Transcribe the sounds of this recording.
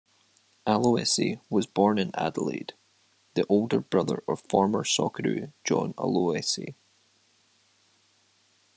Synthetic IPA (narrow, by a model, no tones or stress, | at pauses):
alˠoɛsḭwɔzbɔɹnɪ̃na̰dəlˠḛd̥ | ðiʔolˠdə˞bɹʌðə̰˞ʔəv̥fɔɹmə˞sɔkʰəɹʉ̰d͡ʒɔ̰̃nə̰lˠoɛsḭ